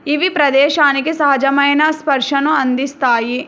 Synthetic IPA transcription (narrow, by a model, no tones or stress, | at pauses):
iʋipɾɐd̪eːʃaːnikesɐɦɐd͡ʒɐmɐjɐnɐspɐɾʃɐnuɐnd̪ist̪aːji